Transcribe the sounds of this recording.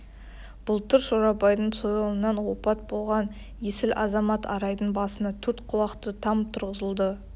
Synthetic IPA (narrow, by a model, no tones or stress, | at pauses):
b̥ʊlˠt̪əɾʃoɾɑbɑjd̪əɴsojɑlˠənːɑnwo̞pɑt̪̚bo̞lˠʁɑn | je̞sɪlʔɑzɑmɑt̪ʰɑɾɑjd̪əɴbɑsənɑt̪ʰɵɾt̪qʰʊlˠɑqt̪ət̪ʰɑmt̪ʰʊɾʁəzəlˠd̪ə